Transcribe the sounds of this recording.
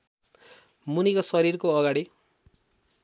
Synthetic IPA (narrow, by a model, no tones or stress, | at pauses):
munikosʌɾirkoʌɡaɽi